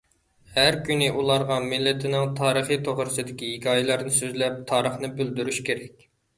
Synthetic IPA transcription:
hæɾkʲynɪʔulˠɑɾʁɑmɪlːɪt̪ʰɪnɪŋt̪ʰɑːɾəχijt̪ʰoʁɾɨsɨd̪ɪkʲiiɡʲɑːjilˠɑɾnɨsøzlɛp̚t̪ʰɑːɾəχnɨbyld̪yɾyʃkʲʰeɾɛk̚ʲ

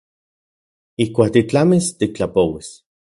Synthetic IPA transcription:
ihkʷaːk̚t̪it͡ɬamist̪ik̚t͡ɬapowis

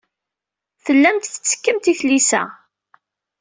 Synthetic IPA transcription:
θəlːæmt̪θə̥t͡sːə̥kːəmt̪iθlisæ̰

